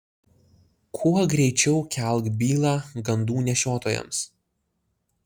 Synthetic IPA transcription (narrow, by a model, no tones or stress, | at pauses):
kʰuɔɡɾʲɛɪt͡ʃʲɛʊkʲæˑlˠɡbʲiːlˠɑːɡɐnd̪uːnʲɛʃʲoːt̪oːjɛ̰ms